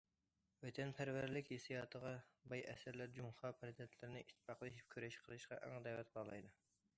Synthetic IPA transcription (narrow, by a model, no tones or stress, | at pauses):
wɛt̪ʰɛnpʰæɾvæɾlɪkʲhesijɑːt̪ʰəʁɑbɑjʔɛ̰sæɾlæɾd͡ʒumχɑːpʰɛɾɨt̪ʰɛt̪ʰlɪɾɪnɪʔit̪ʰːpɑχlˠɨiʃi̥p̚kʲʰyɾɛʃqʰəlˠɨʃqɑ̰ʔɛ̰ŋd̪ɛwɛt̪̚qɑlˠɑ̰jd̪ɨ